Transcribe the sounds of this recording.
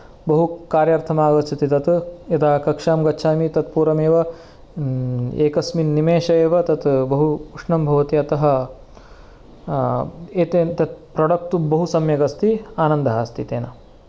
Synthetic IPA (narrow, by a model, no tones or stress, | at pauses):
bɐɦukaːɾjaɾt̪ʰɐmaːɡɐst͡ʃʰit̪it̪ɐt̪jɐt̪aːɐkɐkʂaːmɡɐtːʃʰaːmit̪ɐt̪̚puːɾɐmeːʋɐ | eːkɐsminnimeːʃɐjeːʋɐt̪ɐt̪bɐɦukɾuʂɳɐmbʱɐʋɐt̪iɐt̪ɐɦɐ | eːt̪eːt̪ɐt̪̚pɾɐɽɐk̚t̪ubɐɦusɐmjɐɡɐst̪iaːnɐnd̪ɐɦast̪ʰit̪eːnɐ